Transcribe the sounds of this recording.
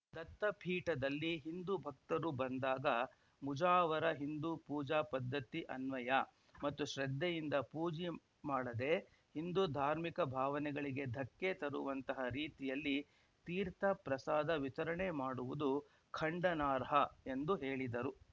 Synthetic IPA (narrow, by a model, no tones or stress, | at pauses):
d̪ɐt̪ːɐpʰiːʈɐd̪ɐlːiɦind̪ubʱɐk̚t̪ɐɾubɐnd̪aːɡɐ | mud͡ʒaːʋɐɾɐɦind̪upuːd͡ʒaːpɐd̪ʱːɐt̪iʔɐnʋɐjɐ | mɐt̪ːuʃɾɐd̪ːejind̪ɐpuːd͡ʒi | maːɽɐd̪e̞ | hind̪ud̪ʱaːɾmikɐbʱaːʋɐnɛɡɐɭiɡe̞d̪ʱɐkːet̪ɐɾuʋɐnt̪ɐɦɐɾiːt̪ijɐlːi | t̪iːɾt̪ʰɐpɾɐsaːd̪ɐʋit̪ɐɾɐɳemaːɽuʋud̪u | kʰɐɳɖɐnaːɾɦɐe̞nd̪uɦeːɭid̪ɐɾu